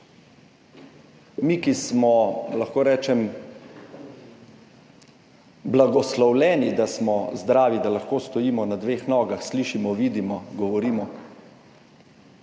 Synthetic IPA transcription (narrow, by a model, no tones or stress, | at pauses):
miːkismɔlaxkoːɾɛːt͡ʃɛm | blaɡɔslɔwlɛːnid̪asmɔzd̪ɾaːʋid̪alaxkoːst̪ɔjiːmɔnad̪ʋeːxnɔːɡaxsliːʃimɔʋiːd̪imɔɡɔʋɔɾiːmɔ